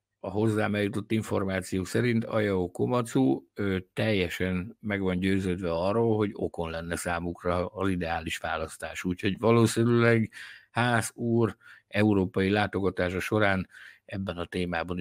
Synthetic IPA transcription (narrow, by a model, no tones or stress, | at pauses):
ɒɦo̞zːaːmɛjut̪o̞t̪ːiɱfo̞rmaːt̪sijoːsɛɾint̪ɒ̰jɒokomɒt̪suːøt̪ɛjːɛʃɛnmɛɡʋɒnɟøːzøːd̪ʋɛɒrːoːlɦo̞ɟo̞̰ko̞nlɛnːɛsaːmukrɒːzid̪ɛaːliʃʋa̰ːlɒst̪a̰ːʃuːcho̞ɟvɒloːsinylɛɡhaːzuːrɛuɾoːpɒjilaːt̪o̞ɡɒt̪aːʃɒʃo̞ɾaːnɛbːɛnɒt̪eːmaːbɒn